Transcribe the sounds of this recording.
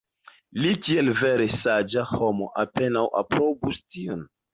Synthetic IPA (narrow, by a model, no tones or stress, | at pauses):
likie̞lve̞ɾe̞sad͡ʒahomo̰ʔape̞nawʔa̰pɾobustion